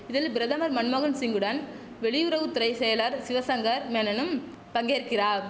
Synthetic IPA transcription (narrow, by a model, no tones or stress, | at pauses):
ɪðɪlbɪɾɐðɐmɐɾmɐnmɐɣɐnsɪŋɡɯɽɐn | ʋɛɭɪjʊɾɐʋɯt̪ːɪɾɐɪsɛjɐlɐɾsɪʋɐsɐŋɡɐɾmeːnɐnɯm | pɐŋɡeːɾkɪɾaːɾ